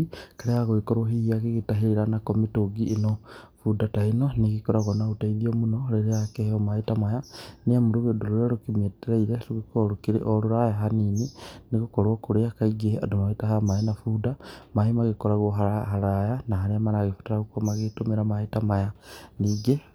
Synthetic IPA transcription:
kaɾeaɣuikoɾwoɦiiaɣiɣitaɦiɾiɾanakomitoɡiʔːnofudatainoniɣikoɾaɣonaɣutaiðiomunoɾeɾeakeomaitamajaniamuɾuɣedoɾuɾeɾukimeteɾaiɾeɾuɣikoɾukiɾḛʔoɾuɾajaɦanininiɣukoɾokuɾejakaiɡea̰dumaitaɦamainafudamahimaɣikoɾaɣoɦaaɦaɾajanaɦaniamanaɣifu̥teɾaɣukomaɣitumiɾamaitamajaniɡe

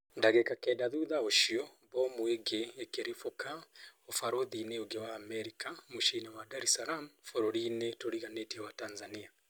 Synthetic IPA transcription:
ndaɣɛkakɛdaðuðaoʃiɔ | βɔmweɡeekeɾifokaofaɾoðineoɡewaːmɛɾikamuʃinawadaɾɛsalamfɔɾɔɾinetoɾiɣanetiɛwatanzania

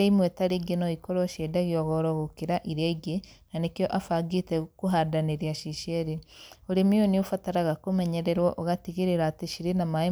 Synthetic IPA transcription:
eimwetaɾiɡenoikoɾoʃedaɣjoɣoɾoɣokiɾaʔiɾeɡenanekjoʔafaɡitekuɦadaneɾjaʃiʃeɾeoɾemioniofataɾaɣakomeɲeɾeɾwoʔoɣatiɣiɾeɾaːteʃiɾenamai

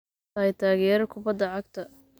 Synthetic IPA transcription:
aːjt̪ʰaːɣɛːɾɐkʰʊbɐd̪ːɐʕɑɡt̪ʰɐ

